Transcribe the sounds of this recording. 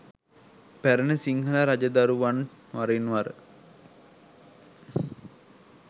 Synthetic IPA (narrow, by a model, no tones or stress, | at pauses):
pæɾənəsiŋɦəlaɾad͡ʒəd̪aɾuʋan | ʋaɾenʋaɾə